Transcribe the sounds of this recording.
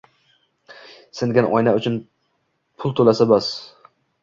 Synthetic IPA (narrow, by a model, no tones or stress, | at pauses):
sɪnɡʲanʔɒjnaʊt͡ʃʰʊn | pʰʊlˠt̪ʰolasabɒs